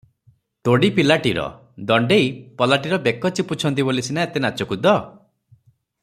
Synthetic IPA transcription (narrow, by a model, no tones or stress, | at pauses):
t̪oɽipilaʈiɾɔ̰ | d̪ɔɳɖejpɔlaʈiɾɔbekːɔt͡ʃiput͡ʃʰɔnt̪̬ibolisinaet̪enat͡ʃɔkud̪ɔ